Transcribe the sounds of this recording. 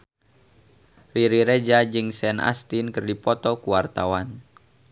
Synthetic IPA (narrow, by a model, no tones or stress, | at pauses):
riɾiɾed͡ʒad͡ʒɨŋsɛnʔa̰st̪inkɨrdipɔt̪ɔkuwart̪awan